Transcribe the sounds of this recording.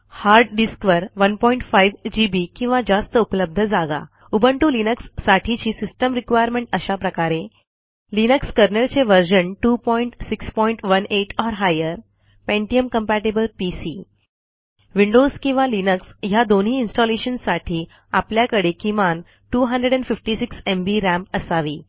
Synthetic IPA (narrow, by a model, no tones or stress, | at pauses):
haɾɖɖiskʋəɾʋənpɔiɳʈfajʋd͡ʑibikĩw̃ʋad͡zast̪əupələb̚d̪ʱəd͡zaɡa̰ | ubʱəɳʈuːlinəksːaʈʰit͡ɕiːsisʈəmɾikʋajəɾmẽɳʈəɕapɾəkaɾe | linəkskəɾnəlt͡seʋəɾɕəɳʈupɔiɳʈsikspɔiɳʈʋəneʈɔɾɦajəɾ | pẽɳʈiəmkəmpæʈibəlpisi | ʋiɳɖozkĩw̃ʋalinəksjad̪onɦiːinsʈɔleɕənsaʈʰiː | a̰pljakəɽekiman | ʈuːɦənɖɾəɽɛ̃ɳɖfifʈisiksembiɾæ̃mpəsaʋiː